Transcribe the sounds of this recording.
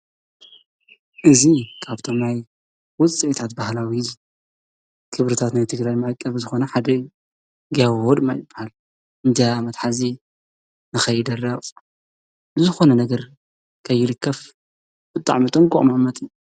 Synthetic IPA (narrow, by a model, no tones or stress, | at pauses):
ʔɨzikʰaβt̪ʰomnaj | wʊt͡sʼiʔt̪ʰat̪̚bahlawi | kʰɨβɾɨt̪ʰat̪najt̪ʰɨɡɾajmajkʼːɐβzɨxo̞nɐħad̪ɐ | ɡahod̪majɪbːahal | ɨnd͡ʒ̪aamɐt̪ħazi | nɨxɐjːɪd̪ɐrɐ | bɨzɨxo̞nɐnɐɡɐɾ | kʰɐjːɪlɨkʰːɐf | bɨt̪ʼa̰ʕmit̪ʼɨŋkʼṵʔʼmamɐt̪ʼij